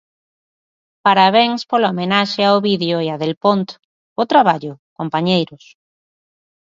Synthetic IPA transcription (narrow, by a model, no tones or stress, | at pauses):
paɾaβ̞eŋspolomenaʃeawβiðjoeaðelpont̪ | ʊt̪ɾaβaʎʊkompaɲejɾʊs